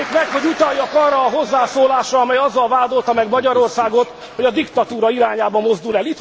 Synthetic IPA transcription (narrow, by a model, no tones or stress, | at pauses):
kmɛkho̞ɟut̪ɒjːɒkɒrːɒːɦo̞zːaːsoːlaːʃrɒɒmɛjɒzːɒlvaːd̪o̞lt̪ɒmɛɡmɒɟɒɾo̞rsaːɡo̞t̪ | ho̞ɟɒd̪ikt̪ɒt̪uːɾɒiɾaːɲaːbɒmːo̞zd̪ulɛlit̪